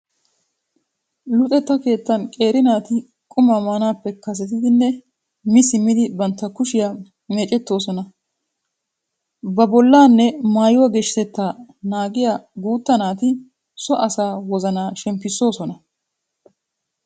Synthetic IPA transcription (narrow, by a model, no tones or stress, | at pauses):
lʊt̪ʼɛt̪ːɐke̞ːt̪ːɐnkʼe̞ːɾɪnaːt̪ɪ | kʼʊmɐmaːnaːpːɛkɐs̬ɛt̪ɪd̪ɪnːɛ | mɪsɪmːɪd̪ɪbɐnt̪ːɐkʊʃɪja | meːt͡ʃʼɛt̪ːo̞ːsɔnɐ | bɐbɔlːaːnːɛmaːjʊwɐɡɛʃɪt̪ɛt̪ːaːnaːɡɪjaɡuːt̪ːɐnaːt̪ɪ | sɔʔɐsaːwɔzɐnaːʃɛmpːɪsːo̞ːsɔnɐ